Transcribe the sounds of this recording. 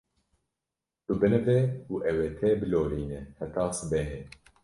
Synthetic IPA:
t̪ubɨnɨvɛuʔɛwɛt̪ʰɛːbɨloːliːnɛhɛt̪ʰɑːsɨbɛɦɛ

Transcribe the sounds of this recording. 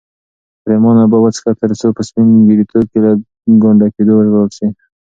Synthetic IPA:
pɾemɑnabɑbat͡skat̪əɾt͡sopəspɪnɡiɾit̪ʰob̚kela | ɡoɳɖaked̪owəɾawəlsi

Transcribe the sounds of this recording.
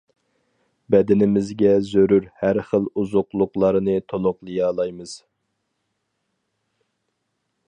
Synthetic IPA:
bɛd̪ɪnɪmɪzɡʲɛzøɾuɾhæɾχəlˠuzʊqlˠʊqlˠɑɾɨnɨt̪ʰolˠʊqlˠɨjɑːlˠɑjmɨz̥

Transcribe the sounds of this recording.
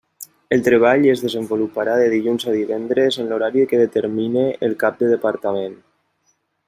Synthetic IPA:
əlˠt̪ɾeβ̞aʎezðəzəmbulupaɾaðəðiʎunzaðiβɛnd̪ɾezənloɾaɾikəðət̪əɾmineːlˠkap̚d̪əðəpaɾt̪amen

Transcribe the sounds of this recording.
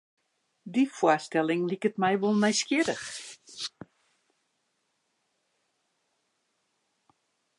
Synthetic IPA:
difwastɛlˠɪŋlikətmɛjʋolˠnɛjskjɪdəx

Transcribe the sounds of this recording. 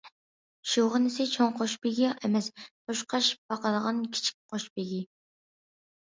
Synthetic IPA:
ʃoʁənɪsɪt͡ʃʰoŋqʰoʃpɪɡʲiʔɛmɛsqʰoʃqʰɑʃb̥ɑqɑd̪əʁɑnkʲʰi̥t͡ʃʰi̥k̚ʲqʰoʃbɪɡʲi

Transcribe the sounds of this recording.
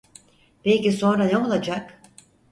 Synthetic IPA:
pelciso̞nɾaneo̞lˠad͡ʒak

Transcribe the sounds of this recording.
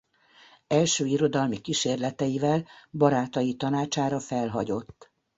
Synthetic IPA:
ɛlʃøːiɾo̞d̪ɒlmikiʃeːrlɛt̪ɛjivɛlbɒɾaːt̪ɒjit̪ɒnaːt͡ʃaːɾɒfɛlɦɒɟo̞t̪ː

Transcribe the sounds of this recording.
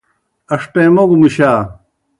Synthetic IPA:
ɐʂpẽːmoɡumiɕaː

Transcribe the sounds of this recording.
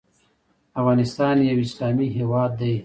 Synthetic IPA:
afɣɑːnɪst̪ɑːnjawɪslɑːmiɦewɑːd̪ːaj

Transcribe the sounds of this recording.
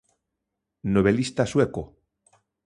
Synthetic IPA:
noβelist̪asweko

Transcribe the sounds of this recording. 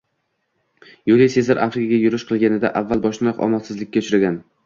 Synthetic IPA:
jolesezaɾʔafɾɪkʰaɡʲajʊɾɪʃqʰɨlˠɡʲanɪd̪a̰ʔavːalˠbɒʃnɒqɒ̰mɒlˠsɪzlɪkʲːaʊt͡ʃʰɾaɡʲan

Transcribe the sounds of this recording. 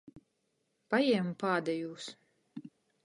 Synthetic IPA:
pajɛɛmupaːd̪ɛjuːs

